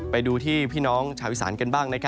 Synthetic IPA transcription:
pa˧jduː˧t̪ʰiː˥˩pʰiː˥˩nɔː˦˥ŋt͡ɕʰaː˧wi˦˥sa̰ː˩˦nka˧nbaː˥˩ŋna˦˥kʰa˦˥

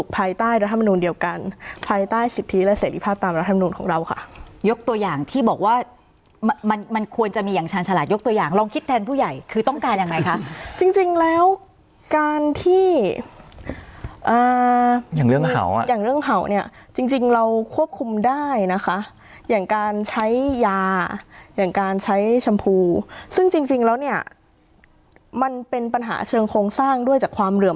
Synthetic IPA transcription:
u˨˩k̚pʰaː˧jt̪aː˥˩jɾa˦˥t̪ʰːa˧ma˧nuː˧ndi˧əwka˧npʰaː˧jt̪aː˥˩jsi˨˩t̪ʰːi˦˥lɛː˦˥seː˩˦ɾi˦pʰaː˥˩p̚t̪aː˧mɾt̪ʰːm˧nuː˧nkʰɔː˩˦ŋɾa˧wkʰa̰˥˩ʔjo˦˥k̚t̪u˧əjaː˨˩ŋt̪ʰiː˥˩bɔː˨˩k̚waː˥˩ | mma˧nma˧nkʰu˧ənt͡ɕa˨˩miː˧ja˨˩ŋt͡ɕʰaː˧nt͡ɕʰa˧laː˨˩t̪̚jo˦˥k̚t̪u˧ɐjaː˨˩ŋɾɔː˧ŋkʰi˦˥t̪ʰːɛː˧npʰuː˥˩ja˨˩jkʰɯː˧t̪ɔ˥˩ŋkaː˧nja˨˩ŋːa˧jkʰa˦˥ʔt͡ɕi˧ŋt͡ɕi˧ŋlɛː˦˥w | kaː˧nt̪ʰiː˥˩ | ʔaː˨˩jaː˨˩ŋɾɯ˥˩əŋa̰˨˩˦wjaː˨˩ŋɾɯ˥˩əŋɦa˨˩˦wni˥˩ɐt͡ɕi˧ŋt͡ɕi˧ŋɾa˧wkʰu˥˩əp̚kʰu˧mdaː˥˩jna˦˥kʰa˦˥ | jaː˨˩ŋkaː˧nt͡ɕʰa˦˥jːaː˧jaː˨˩ŋkaː˧nt͡ɕʰa˦˥jt͡ɕʰa˧mpʰuː˧sɯ˥˩ŋt͡ɕi˧ŋt͡ɕi˧ŋlɛː˦˥wni˥˩ɐ | ma˧npe˧npa˧nɦa̰ː˩˦t͡ɕʰɤː˧ŋkʰoː˧ŋsaː˥˩ŋdu˥˩əjt͡ɕaː˨˩kʰwaː˧mɾɯ˨˩əm

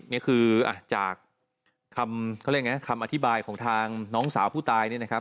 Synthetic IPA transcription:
ni˦˥kʰɯː˧ʔa̰˧˩t͡ɕa̰ː˨˩k̚ʰː | a˧mkʰːɾma˦˥kʰa˧mʔa˧t̪ʰi˦˥baː˧jkʰɔː˩˦ŋt̪ʰaː˧ŋnɔː˦˥ŋsaː˩˦wpʰuː˥˩t̪aː˧jni˥˩na˦˥kʰa˦˥

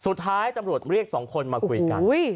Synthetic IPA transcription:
su˨˩t̪ʰːaː˦˥jt̪a˧mɾu˨˩ət̪̚ɾi˥˩ək̚sɔː˩˦ŋkʰo˧nmaː˧kʰu˧jka̰˧n˦j

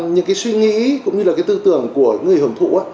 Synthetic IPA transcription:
ɲɨ̰˧˥ŋkaː˨˦jswi˧ŋḭ˧˥kʊ̰˧˥ŋ͡mɲɨ˧laː˨˩kaː˨˦jt̪ɨ˧t̪ɨ˧˩˨əŋku˧˩əŋɨ˨˩əjhoː˨˩ŋ͡mt̪ʰṵ˧˨ʔaː˧˦

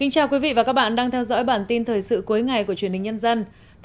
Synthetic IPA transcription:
kï˨˦ŋ̟t͡ɕaː˨˩wkwi˨˦vḭ˧˨vaː˨˩kaː˦˥k̚ɓa̰ː˧˨nɗaː˧ŋt̪ʰɛ˧wzɔ̰˧˥jɓaː˧˩nt̪i˧nt̪ʰəː˨˩jsɨ̰˧˨ku˨˦jŋa˨˩jku˧˩ət͡ɕwi˧˩ənhï˨˩ŋ̟ɲə˧nzə˧n

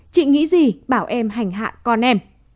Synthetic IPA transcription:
t͡ɕḭ˧˨ŋḭ˧˥zi˨˩ɓaː˧˩wʔɛ˧mɦa˨˩jŋ̟ɦa̰ː˧˨kɔ˧nʔɛ˧m

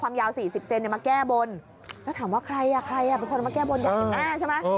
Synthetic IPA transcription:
kʰwaː˧mjaː˧wsiː˨˩si˨˩p̚se˧ni˨˩maː˧kɛː˥˩bo˧n | lɛː˦˥t̪ʰaː˩˦mwaː˥˩kʰɾa˧jʔa˨˩kʰɾa˧jʔa˨˩pe˧nko˧n˨˩ma˧kɛː˥˩bo˧nda˥˩˧ʔaː˧˩t͡ɕʰa˥˩ma˦˥˧

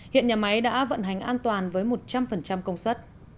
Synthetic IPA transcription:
hḭ˧˨ənɲaː˨˩ma˨˦jɗa̰ː˧˥və̰˧˨nɦa˨˩jŋ̟ʔaː˧nt̪waː˨˩nvəː˨˦jmo˨˩t̚t͡ɕa˧mfə˨˩nt͡ɕa˧mkə˧wŋ͡mswə˦˥t̚

